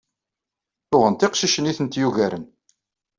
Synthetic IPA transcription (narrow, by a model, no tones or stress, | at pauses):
θʊʁənt̪ɪqʃiʃəniθənt̪juʝæɾən